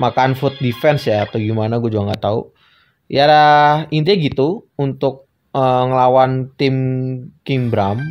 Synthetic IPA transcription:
makanfut̪̚difɛnsjaːt̪awɡimanaɡuad͡ʒuɡaŋɡaʔt̪aṵ | jadahint̪iɲaɡit̪uunt̪ʊk̚ | əŋəlawant̪ɪmkɪŋbɾam

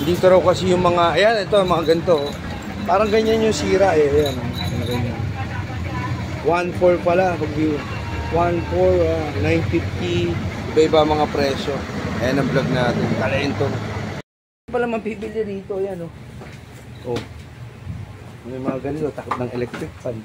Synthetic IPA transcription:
nd̪iːt̪oɾɐwkɐsɛjʊŋmɐŋaʔɐjanɛt̪omɐŋaɡɐnt̪o̞ | paːɾɐŋɡɐɲanjʊŋsiːɾɐʔɛɐjanaɐŋɐɡɐɲan | wanfoɹpɐlaɦʊɡmɪ | wanfoɹanajnfift̪iʔɪbaɪbamɐŋapɾɛːso̞ʔɐjanɐmblaɡ̚naːt̪ɛnk̪ɐlɐʔɪnt̪o | pɐlamɐŋpibɪljad̪iːt̪o̞jano | ʔo | mɐmɐŋaɡɐnɪt̪ot̪ɐkʊt̪̚nɐŋɛlɛk̚t̪ɾɪk̚pan

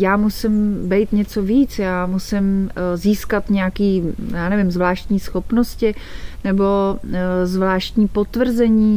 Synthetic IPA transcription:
jaːmusɪmbɛjt̪ɲɛt͡so̞viːt͡sjaːmusɪmziːskat̪ɲɛjakiːjaːnɛvɪmzvlaːʃt̪ɲiːsxo̞pnoscɪnɛbo̞ | zvlaːʃt̪ɲiːpot̪vr̩zɛɲiː

